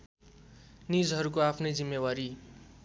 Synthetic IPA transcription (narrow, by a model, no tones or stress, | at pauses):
nid͡zɦʌɾukoapʰnʌjd͡zimːewaɾi